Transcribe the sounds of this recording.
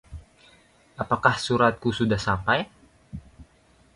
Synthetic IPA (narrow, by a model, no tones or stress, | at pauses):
apakahsuɾat̪̚kusudahsampaj